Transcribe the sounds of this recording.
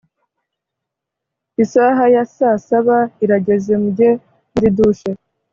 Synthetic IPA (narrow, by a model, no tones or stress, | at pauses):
isaɦajasaːsaβaiɾaɟe̞ze̞mɟe | muɾiduʃe